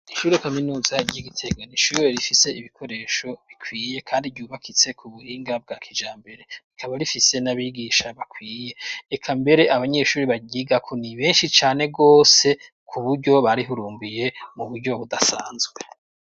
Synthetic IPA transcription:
iʃuɾikaminuːzaɾɟiɡitʰe̞ɡoniʃuiɾifise̞iβikʰo̞ɾe̞ːʃo̞βikwiːje̞kʰaːndiɟuːβakʰit͡se̞kʰuβuhiːŋɡab̚ɡaːkʰid͡ʒaːmbe̞ɾe̞βikʰaβaɾifise̞naβiɡiːʃaβakʰwiːje̞ːkʰambe̞ɾe̞ʔaβaɲe̞ʃuːɾiβaɡiːɡakʰoniβe̞ːnʃit͡ʃaːne̞ɡo̞ːse̞ | kʰuβuɾɟo̞βaɾiɦuɾuːmbije̞muβuɾɟo̞βudasa̰ːnzɡwe

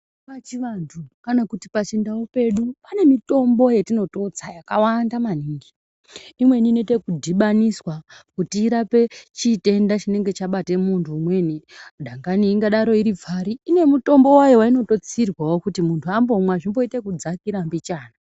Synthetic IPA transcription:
pat͡ʃiʋantʰukanakutipat͡ʃindaope̞ɗupane̞mito̞mbo̞je̞tino̞to̞t͡sajakawandamaniːŋɡi | imwe̞ninete̞kudʱiɓaniswakutiːɾape̞t͡ʃite̞ndat͡ʃine̞ŋɡe̞t͡ʃaɓate̞muntʰuːmwe̞nidʱaŋɡaniːŋɡaɗaɾo̞iɾivʱaɾiːne̞muto̞mbo̞wajowaino̞to̞t͡sirwawo̞kutimuntʰuambo̞mwaʐimbo̞ite̞kud͡zakiɾambit͡ʃaːna

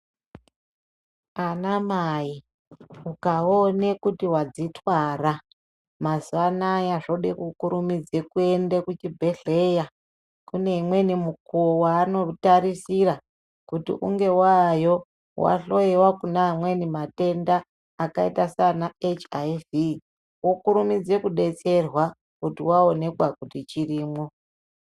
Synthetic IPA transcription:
anamaji | ukaonekutiwad͡zitwara | maziʋanajaʐo̞ɗekukuɾumid͡ze̞kue̞ndekut͡ʃibʱe̞ɬe̞ja | kune̞imwe̞nimukuwaːno̞taɾisiɾa | kutḭʔṵŋɡe̞wajo̞ | wa̰ɬo̞ewakunaimwe̞nimate̞ndaː | kaitasanaet͡ʃajvi | wokuɾumid͡ze̞kuɗe̞t͡se̞rwa | kutiwao̞ne̞kwakutit͡ʃiriːmo̞

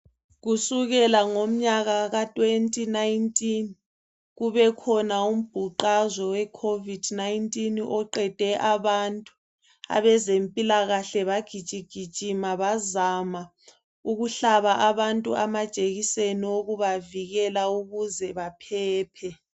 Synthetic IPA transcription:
ɣusuɣɛlaŋom̩ɲaɣaɣatʼwentʼinaintʼin | ɣuβɛkʰɔnaum̩b̥ʱuǃazɔwɛkʰovid̥najintʼinɔǃɛd̥ʱɛʔaβantʼu | a̰βɛzempʼilaɣaɬɛβaɡ̥ʱid̥ʒ̥ʼʱiɡ̥ʱid̥ʒ̥ʼʱimaβazama | uɣuɬaβaʔaβantʼuamad̥ʒ̥ʼʱeɣisenioɣuβaviɣɛlauɣuzɛβapʰɛːpʰɛ

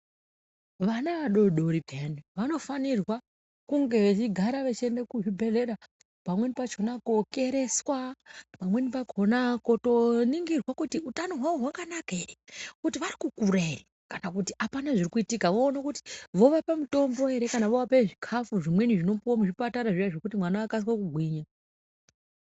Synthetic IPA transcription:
ʋanaʋaɗo̞ɗo̞ɾibʱeniʋano̞fanirwa | kuŋɡe̞ʋet͡ʃiɡʱaɾaʋet͡ʃendekuʐibʱe̞le̞ɾa | pamwe̞nipat͡ʃonakoke̞ɾe̞swapamwe̞nipat͡ʃo̞nako̞to̞niŋɡirwakutiutanoɦwaʋoɦwakanakae̞re̞kutiʋarikukuɾaere | kanakutiʔapanaʐirikuitikaʋo̞ːnekuti̥ʋo̞ʋapamuto̞mbo̞e̞ɾe̞kanaʋoʋapeeʐikʰafuʐimwe̞niʐino̞pamuʐipataɾaʐijaʐokutimwanaːkas̬wakuɡʱwiɲa

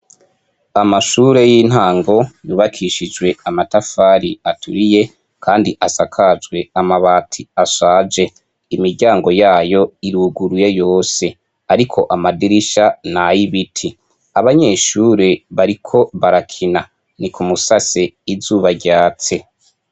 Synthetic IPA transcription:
amaʃuːɾe̞jiːn̥haːŋɡo̞juβakʰiʃid͡ʒɡwe̞amatafaɾiatʰuɾije̞ | kʰaːndiʔasakʰad͡ʒwe̞amaβaːtʰiasaːd͡ʒe̞ | imiɾɟaːŋɡo̞jaːjo̞iɾuɡuɾujejo̞ːse̞ | aɾikʰo̞ʔamadiɾiʃanajiβitʰi | aβaɲe̞ʃuːɾeβaɾikʰo̞βaɾakʰina | nikʰumusaseizuːβaɟaːt͡se̞

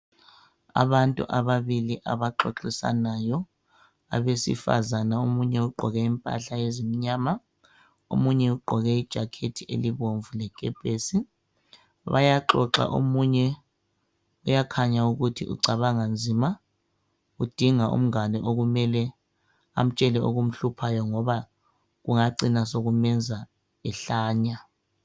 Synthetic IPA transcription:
a̰βantʼṵʔaβaβiliʔa̰βaǃoǁisa̰najɔ | a̰βesḭfa̰zanaomuɲɛuɡ͡ǃʱɔɣɛimpʼa̰ɬaezimiɲaːma | o̰muɲɛuɡ͡ǃʱɔɣɛid̥ʒ̥ʱakʰetʰiʔḛliβoɱvulɛɡ̥ʱʼɛb̥ʱesi | βa̰jaǃɔ̰ǁa̰ʔo̰muɲɛ | ujakʰaɲauɣutʰḭʔṵǀʱaβaŋand͡zʱiːma | ud̥ʱiŋaʔṵm̩anɛʔoɣumɛlɛ | a̰m̩t͡ʃʼɛlɛoɣum̩ɬupʰajɔŋɔβa | ɣuŋaǀinasoɣumɛnd͡zʱa | ɛɬaːɲa

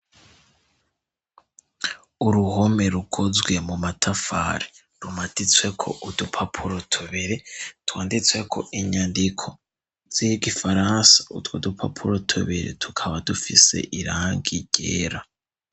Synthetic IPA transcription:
uɾuho̞me̞ɾukʰozɡwe̞mumatʰafa̰ːɾi | ɾumatit͡swe̞kʰo̞̰ʔudupʰapʰuɾotʰuβiɾetwaːndit͡swe̞kʰo̞̰ʔiɲandikʰo̞ | z̥ijiɡifaɾaːnsḁutwodupʰa̰pʰuɾotʰṵβiɾḛtʰu̥kʰaβadufise̞̰ʔiɾaːŋɡiɟ̥ḛːɾa

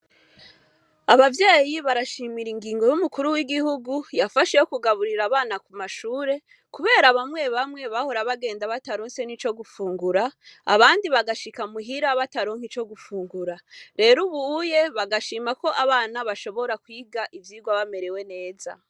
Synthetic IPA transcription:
aβavjaːjiβaɾaʃiːmiɾiŋɡiːŋɡo̞jumukuɾuwiɡihuɡujafaʃejokuɡaβuɾiɾaβaːnakumaʃuːɾe̞ | kuβe̞ːɾaβamŋe̞βamŋe̞βaho̞ɾaβaɡe̞ːndaβataɾoːnse̞nit͡ʃo̞ɡufuːŋɡuɾa̰ːβaːndiβaɡaʃikamuɦiɾaβataɾo̞ŋhit͡ʃo̞ɡufuːŋɡuɾaɾe̞ːɾuβuje̞βaɡaʃiːmako̞ʔaβaːnaβaʃo̞βo̞ɾakwiːɡaʔivjiːɡwaβame̞ɾe̞we̞ne̞ːza̰

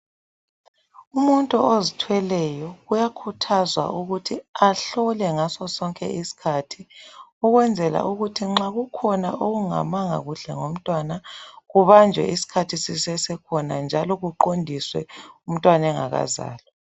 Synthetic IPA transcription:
umuntʼuozitʰwɛlɛjɔɣujakʰutʰazwa̰uɣutʰiaɬɔlɛŋasɔsɔŋkʼɛ̰isi̥kʰatʰiuɣwɛnd͡zʱɛla̰ʔuɣutʰiŋ͡ǁaɣukʰɔna̰ʔoɣuŋa̰maŋa̰ɣuɬɛ̰ŋom̩tʼwanaɣuβand͡ʒʱwɛ̰isi̥kʰatʰisisɛsɛkʰɔnand͡ʒʱalɔɣuǃondʱiswɛ̰um̩tʼwanɛŋa̰ɣa̰za̰ːlɔ

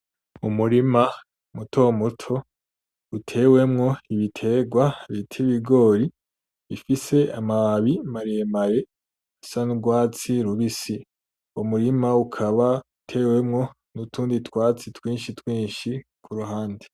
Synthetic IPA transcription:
umuɾima | mutʰomutʰo̞ | utʰe̞we̞mŋo̞iβitʰe̞ɡwaβitʰiβiɡo̞ːɾi | βifise̞amaaβimaɾeemaɾe̞ | asanuɡwaːt͡siɾuβisi | omuɾimaukʰaβautʰe̞ːwe̞mŋo̞ | nutʰuːnditwaːt͡sitwiːnʃitwiːnʃikʰuɾuɦaːndi̥

